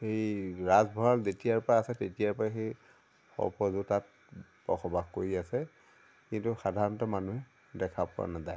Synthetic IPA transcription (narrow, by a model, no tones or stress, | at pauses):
xejɹazbʱɔalzetijaɹpɔɹaːsɛtetijaɹpɔaxej | xɔ̰pɔzutat̚ | pɔ̰xʰɔbakkːoɹiasɛ | kintuxadʱaɹɔntɔmanuɦɛ | dɛkʰapʊ̰a̰nazaj